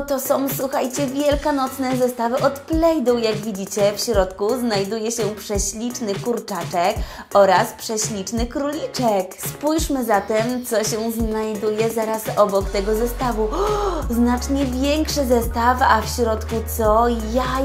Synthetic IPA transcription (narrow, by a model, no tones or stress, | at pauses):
t̪ɔsɔ̃w̃swuxajt͡ɕɛvʲjɛlkanɔt̪snɛzɛst̪avɘʔɔt̪plɛjd̪ujaɡvʲid͡ʑit͡ɕɛfɕɾɔt̪kuznajd̪ujɛɕɛpʂɛɕlʲit͡ʂnɘkuɾt͡ʂat͡ʂɛk | ɔɾaspʂɛɕlʲit͡ʂnɘkɾulʲit͡ʂɛkspujʂmɘzat̪ɛmt̪sɔɕɛznajd̪ujɛzaɾasɔbɔkt̪ɛɡɔzɛst̪avuznat͡ʂɲɛvʲjɛŋkʂɛzɛst̪afafɕɾɔt̪kut̪sɔja